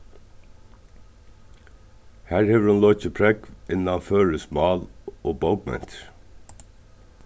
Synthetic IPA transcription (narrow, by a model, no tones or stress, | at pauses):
hæːɹheːʋɹʊnlɔʏc͡çəpʰɹɛɡʋʔɪnɑɑføːɹəsmɑːlʔoːbɔʊɡmɛ̰nt̪